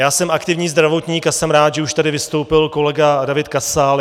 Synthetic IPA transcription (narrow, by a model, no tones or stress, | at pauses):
jaːsɛmʔakt̪ɪvɲiːzd̪ɾavo̞t̪ɲiːkasɛmɾaːt̪ʒɛuʃt̪adɪvɪst̪o̞wpɪlko̞lɛɡadavɪt̪̚kasaːl